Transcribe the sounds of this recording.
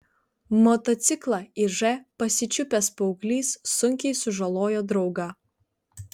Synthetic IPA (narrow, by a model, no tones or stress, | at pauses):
mɔt̪ɔt̪sʲɪklˠɐɪʒɛpɐsʲɪt͡ʃʲʊpʲɛspɔʊklʲiːsːʊŋʲkʲɛɪsʊʒɐlˠoːjoːd̪ɾɒʊɡɐ